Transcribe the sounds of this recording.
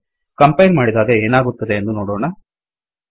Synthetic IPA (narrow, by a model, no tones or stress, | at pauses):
kɐmpɐjnmaːɽid̪aːɡɐeːnaːɡut̪ːɐd̪eːnd̪unoːɽoːɳɐ